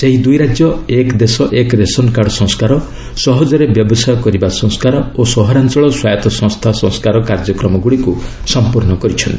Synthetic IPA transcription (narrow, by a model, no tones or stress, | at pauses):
seɦid̪ujɾad͡ʒjɔekd̪esɔʔekɾesɔnkaɾɖsɔ̃ŋ̃skaɾɔ | sɔɦɔd͡ʒɔɾebjɔbɔsajɔkɔɾibasɔ̃ŋ̃skaɾɔosɔɦɔɾant͡ʃɔɭɔswajɔt̪ɔsɔ̃ŋst̪ʰasɔ̃ŋskaɾɔkaɾd͡ʒɔkɾɔmɔɡuɽiku | sɔmpuɾnɔkɔɾit͡ʃʰɔnt̪i